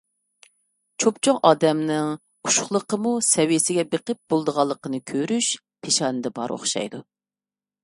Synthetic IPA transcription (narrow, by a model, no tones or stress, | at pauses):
t͡ʃʰopt͡ʃʰoŋʔɑːd̪ɛmnɪŋʰ | u̥ʃʊ̥χlˠəqəmusɛwjesɪɡʲɛbeqəp̚b̥olˠd̪əʁɑlˠːəqənɨkʲʰøɾyʃ | pʰeʃɑːnɨd̪ɛbɑɾo̰χʃɑ̰jd̪u